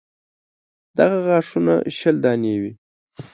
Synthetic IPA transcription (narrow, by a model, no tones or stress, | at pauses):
d̪̥aɣaɣɑːʂuna̰ʃəld̪ɑːnewi